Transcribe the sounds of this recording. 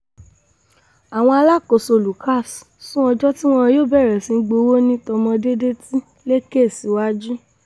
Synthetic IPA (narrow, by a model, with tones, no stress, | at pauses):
a˨w̃ɔ̃˧a˧la˦˨ko˨so˧˨lu˨ka˦˨ssũ˦ɔ̃˧d͡ʒɔ˦ti˦w̃ɔ̃˦˧joː˦bɛ˦˨ɾɛ˨sĩ˨˧˦ɡ͡bo˧˦wo˦nĩ˦tɔ˧mɔ̃˧de˦de˦ti˦ | le˦ke˦˨si˨˦wa˦d͡ʒu˦